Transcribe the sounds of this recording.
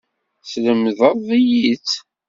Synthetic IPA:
sləmðəɾˤðˤijit͡s

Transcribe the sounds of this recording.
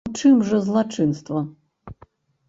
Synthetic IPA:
t͡ʂɨmʐɐzlˠat͡ʂɨnst̪vɐ

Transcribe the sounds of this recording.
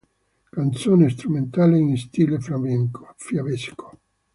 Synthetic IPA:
kant̪soːnest̪ɾument̪aːleinst̪iːlefɾameŋkoafjavesko̥

